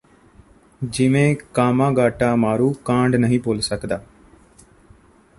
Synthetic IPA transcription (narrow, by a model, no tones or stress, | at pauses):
d͡ʒɪʋẽːkaːmãːɡaːʈaːmaːɾuːkãːɳɖnəɦĩːpoːlsəkd̪aː